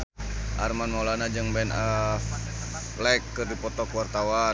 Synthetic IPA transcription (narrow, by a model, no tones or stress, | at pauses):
ʔa̰rmanmalanad͡ʒəŋbɛnəf | laɛkːɨrdipɔt̪ɔkuwart̪awa